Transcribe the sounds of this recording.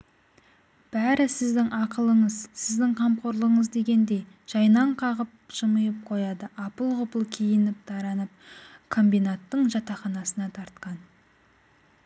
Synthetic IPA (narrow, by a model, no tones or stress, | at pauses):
b̥æɾɪsɪzd̪ɪŋɑqəlˠəɴəzsɪzd̪ɪŋqʰɑmqo̞ɾlˠəəɴəzd̪e̞ɡʲe̞nd̪e̞j | ʒ̥ɑjnɑɴqʰɑʁəp̚ʒ̥əməjəp̚qʰo̞jɑd̪əʔɑpəlˠʁʊpəlˠkʲʰejɪnɪp̚d̪̥ɑɾɑnəp̚kʰo̞mbijnat̪ːəɴʒɑt̪ɑχɑnɑsənɑt̪ʰɑɾt̪qɑn